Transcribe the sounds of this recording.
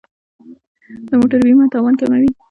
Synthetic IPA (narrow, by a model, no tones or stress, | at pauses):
d̪̥əmoʈaɾwimat̪ɑwɑnkamawi